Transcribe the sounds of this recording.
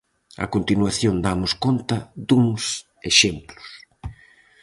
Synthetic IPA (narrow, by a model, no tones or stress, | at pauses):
a̰kont̪inwaθjond̪amʊskont̪ɐd̪uŋs | eʃemplʊ̥s